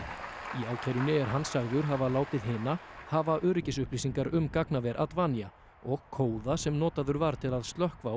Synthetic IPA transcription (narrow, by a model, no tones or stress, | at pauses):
iaw̪cʰɛɾʏnɪɛɾ̥ɦanːsaɣðʏɾ̥ɦavalaːwt̪ɪðɦɪnahavaʔœːɾɪcɪsʏhpliːsiŋkaɾʏmkaknavɛɾʔa̰t̪vaːnija | ɔɣkʰoːwðasɛmnɔːt̪aðʏɾvaɾt̪ʰɪlaðst̪lœhkva